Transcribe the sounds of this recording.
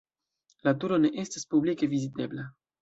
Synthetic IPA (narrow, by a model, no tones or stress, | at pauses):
latuɾo̞ne̞ʔe̞staspublike̞vizite̞bla